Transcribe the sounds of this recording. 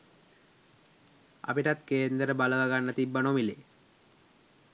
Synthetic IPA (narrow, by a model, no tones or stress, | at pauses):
a̰piʈat̪keːnd̪əɾəbaləʋaɡanːət̪ibːənomile